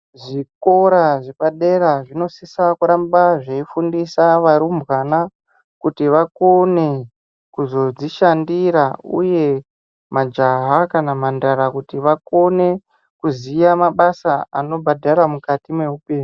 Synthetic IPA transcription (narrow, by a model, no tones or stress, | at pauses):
ʐiko̞ɾaʐepaɗe̞ɾaʐino̞sisakuɾambaʐeifundisaʋaɾumbɣana | kutiʋakone | kuzo̞d͡ziʃandiɾauje̞ | mad͡ʒaɦakanamandaɾakutiʋako̞ne̞ | kuzijamaɓasaano̞bʱadʱaɾamukatime̞upeːɲu